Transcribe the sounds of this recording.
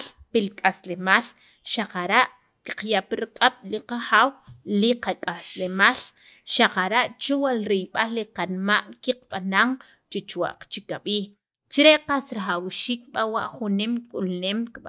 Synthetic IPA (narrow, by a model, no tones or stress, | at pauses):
lpilikʼaslemaːl | ʃaqaɾaʔ | ki̥qjaʔpiɾaqʼaɓ̥liqaχaːwliqakʼaslemaːl | ʃaqaɾaʔt͡ʃowalɾijɓalːiqanmaʔkiqɓanaŋ | t͡ʃet͡ʃwa̰ʔqt͡ʃikaɓiː | t͡ʃɾeʔqasɾaχawʃiːk̚ɓawa̰ʔχunemkʼulneːmkɓa